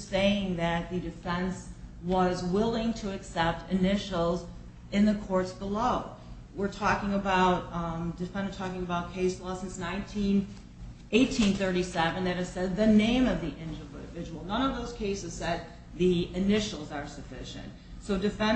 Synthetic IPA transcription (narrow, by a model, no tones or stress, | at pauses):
seɪɪ̃ŋðɨt̪̚ðɨdɨfɛ̃nswʌzwɪlˠɪ̃ŋtʰɨɨksɛp̚tɨnɪʃl̩ˠz | ɨ̃nðɨkʰɔɹtsb̥əloʊ | wɪɹtʰɔkɪ̃ŋəbaʊt̚dɨfɛ̃nə˞tʰɔkɪ̃ŋɨbaʊt̚kʰeɪslɔsɪ̃nsnãɪ̃ntʰĩn | eɪtʰĩnθɜ˞ɾisɛvɨ̃nðɨɾ̚ɨz̥sɛd̪̚ðɨnẽɪ̃mʌvðiʔɪ̃nd͡ʒəvvɪd͡ʒəwl̩ˠnʌ̃nʌvðoʊz̥kʰeɪsɨz̥sɛt̪̚ | ðiɨnɪʃl̩ˠzə˞sɨfɪʃɨ̰̃nt̚ | soʊdɨfɛ̃